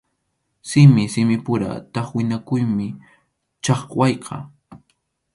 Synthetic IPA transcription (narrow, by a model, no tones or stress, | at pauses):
sɪmɪsɪmɪpʊɾa̰t̪ɑχwɪnakʊjmɪ | t͡ʃɑχwɑjqʰɑ̰